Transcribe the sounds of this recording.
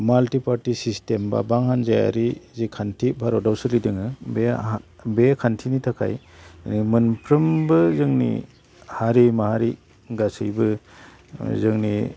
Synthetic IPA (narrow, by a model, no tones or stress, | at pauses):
maltipʰaɾtisistemba̰baŋhanzaja̰ɾizikʰantʰibʱaɾɔdawsɯlidɯŋɯbebekʰantʰinitʰakʰa̰j | nimɯnpʰɾɯmbɯzɯŋnḭ | haɾimahaɾi | ɡasɯjbɯ | zɯŋni